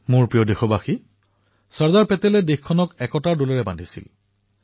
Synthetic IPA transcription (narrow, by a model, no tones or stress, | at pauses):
mʊɹpɹijɔdexɔbaxi | sɔɹzaɹpɛtɛlɛdexkʰːɔnɔkɛkɔtadolɛɹɛba̰ndʱisḭl